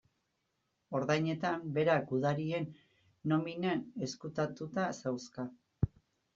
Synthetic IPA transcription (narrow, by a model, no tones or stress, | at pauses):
o̞ɾðajɲe̞t̪ambe̞ɾaɡuðaɾie̞nː | o̞minene̞skut̪at̪ut̪asawska